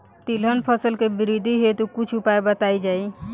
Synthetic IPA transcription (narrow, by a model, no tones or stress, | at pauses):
t̪ilɦənpʰəsəlkebiɾid̪ʱiɦet̪ukut͡ʃʰupaebət̪aid͡ʒai